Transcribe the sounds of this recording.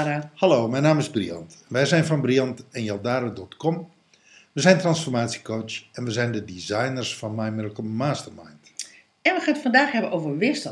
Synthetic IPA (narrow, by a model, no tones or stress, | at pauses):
ahaloːmɛjnaːmɪzbriɔ̰ntʋɛjzɛjnfɔnbriɔntɛnjalˠdaːɾədɔtkɔm | ʋəzɛjntransfɔrmaːtsjikowt͡ʃɛnʋəzɛjndədizajnərsfɔnmɛjmɪlˠkəmaːstərmajnt | ɛnʋəxaːnətfɔndaːxɦɛbənʔoːvərʋɪəstə